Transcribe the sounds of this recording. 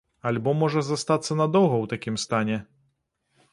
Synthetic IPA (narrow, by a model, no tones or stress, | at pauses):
alʲbɔmɔʐɐzast̪at̪sːɐnɐd̪ɔwɣɐwt̪akʲimst̪anʲɛ